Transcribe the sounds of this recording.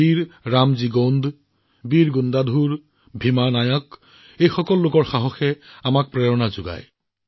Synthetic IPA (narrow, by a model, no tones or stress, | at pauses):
iɹɹamziɡɔnd | biɹɡundadʱuɹ | bʱimanajɔk | ejxɔkɔlːokɔɹxaɦɔxɛamak̚pɹɛɹɔnazʊɡa̰j